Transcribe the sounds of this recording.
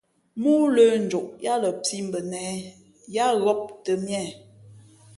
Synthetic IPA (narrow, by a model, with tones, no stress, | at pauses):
mu˦lə˦n̩˨d͡ʒo˨ʔja˦lə˨pi˦m˨bə˨nɛ˨˦ | ja˦ɣɔ˦p̚tə˨mjɛ˦˨